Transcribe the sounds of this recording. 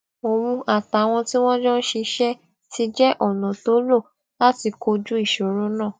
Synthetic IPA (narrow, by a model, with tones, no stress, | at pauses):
o˧mũ˧ʔa˨ta˨˦w̃ɔ̃˧ti˦w̃ɔ̃˦d͡ʒɔ̃˦n̩˦ʃe˧ʃɛ˦ | ti˧d͡ʒɛ˦ʔɔ˦˨nɔ̃˨to˨˦lo˦˨ | la˦ti˧ko˧d͡ʒu˦i˦˨ʃo˨ɾo˦nãː˦˨